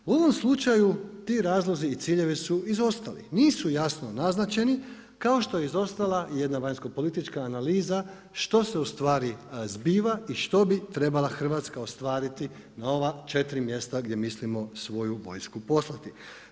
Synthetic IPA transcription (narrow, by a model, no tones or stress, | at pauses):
uo̞ʋo̞mslˠut͡ʃajut̪iːɾaːzlˠo̞ziːt̪siːʎe̞ʋisuizo̞st̪alḭniːsujasno̞naznat͡ʃe̞ni | kaoʃt̪o̞jeizo̞st̪alˠaije̞d̪naʋaɲsko̞po̞lit̪it͡ʃkaːnaliːza | ʃt̪o̞se̞ust̪ʋaːɾizbiːʋaiʃt̪o̞bit̪ɾe̞balaxr̩ʋat̪skaost̪ʋaːɾit̪i | nao̞ʋat͡ʃe̞t̪ɾimje̞st̪aɡd̪ʲje̞mislimo̞sʋo̞juʋo̞̰jskupo̞slˠat̪i